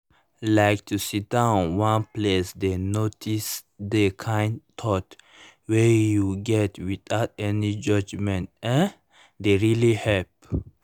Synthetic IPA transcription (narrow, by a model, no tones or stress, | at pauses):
laɪk̚t̪ʰusit̚dãʊ̃nwãnplesd̪enotʰisd̪ekʰãɪ̃nt̪ʰɔt | wɛjuɡɛtwitaʊtɛnid͡ʒʌd͡ʒmɛ̃ntɛ̃n | d̪eɹilihɛlp̚